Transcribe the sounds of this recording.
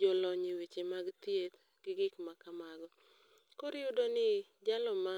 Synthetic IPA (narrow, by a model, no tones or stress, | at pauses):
d͡ʒɔlɔɲiwit͡ʃemaɡt̪jet̪ | ɡ̥ɪɡɪkmakamaɡɔ | koɾɪjʊdonɪ | d͡ʒalɔma